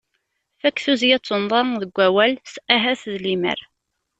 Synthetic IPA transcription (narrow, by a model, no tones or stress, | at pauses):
fækːθuzjæt͡sˤːənðˤɑɾðəɡʷːæwælsæɦæθðlimə̰ɾ